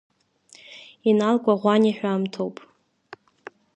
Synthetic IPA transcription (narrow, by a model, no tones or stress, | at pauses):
inalkʷʼaʁʷaniħᶣaːmtʰowpʼ